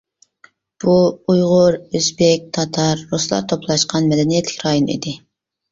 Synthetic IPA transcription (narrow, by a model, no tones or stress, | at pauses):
b̥uujʁʊɾøzbɪk̚ʲt̪ʰɑt̪ʰɑɾːuslˠɑ̰ɾt̪ʰopʰlˠɑʃqʰɑnmɛd̪ɛnijɛt̪lːɪ̥kʲɾɑjonḭd̪ɪ